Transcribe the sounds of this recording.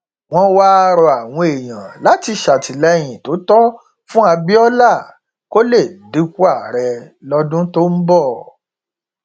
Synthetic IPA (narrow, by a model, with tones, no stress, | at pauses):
w̃ɔ̃˧wa˦˧ɾɔ˧a˨w̃ɔ̃˧e˨j̃ã˨la˨˦ti˧ʃa˨ti˨lɛ˧j̃ĩ˨to˨˦tɔ˦ | fũ˦a˧bi˦ɔ˦la˦˨ | ko˦le˦˨di˨˦ku˦a˦˨ɾɛ˧lɔ˧˦dũ˦to˦m̩˦bɔ˦˨